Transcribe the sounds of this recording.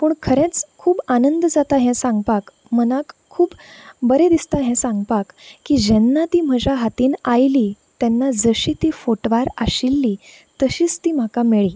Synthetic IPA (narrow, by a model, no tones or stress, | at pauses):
puːɳkʰəɾẽt͡skʰuːbanənd̪d͡zat̪aɦɛ̃sãŋɡpak | mənãkʰːuːbbəɾed̪ist̪aɦɛ̃sãŋɡpakkːiːd͡ʑɛnːat̪iːm̤əd͡ʑaɦat̪iːnajli | t̪jɛ̃nːad͡zəɕit̪iːfoʈʋaɾaɕilːi | t̪əɕiːt͡st̪iːm̤akameɭiː